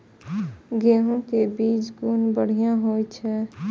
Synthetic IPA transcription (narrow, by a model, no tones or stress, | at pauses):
ɡeːɦõkebiːt͡ʃɡunbəɽ̤ijãɦoːjt͡ʃʰɛ